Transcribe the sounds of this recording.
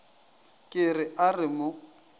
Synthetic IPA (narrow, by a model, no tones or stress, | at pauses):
kʼɪrɪʔarɪmʊ